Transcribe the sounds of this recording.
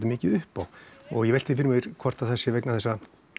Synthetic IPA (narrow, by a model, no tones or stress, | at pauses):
t̪ɪmɪːcɪðʏhpawɔɣjɛvɛjl̥t̪ɪfɪɾmɪvɪɾ̥kʰɔr̥t̪aðθɛsːɪvɛjknaθɛsːa